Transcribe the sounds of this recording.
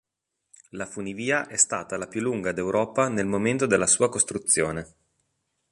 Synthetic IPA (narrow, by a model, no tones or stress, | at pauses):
lafuniviːaʔɛst̪aːt̪alapjulːuŋɡad̪ewɾɔːpanelmoment̪od̪elːasuːakost̪ɾut̪sːjoːne